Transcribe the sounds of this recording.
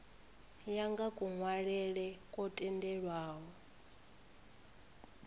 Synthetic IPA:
jaŋɡakʼuŋwaɺɛɺɛkʼɔtʼɛndɛɺwaːɦɔ

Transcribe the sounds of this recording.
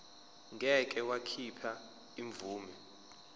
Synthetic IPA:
ŋʱɛk̬ʼɛwakʰipʰa | iɱvuːmɛ

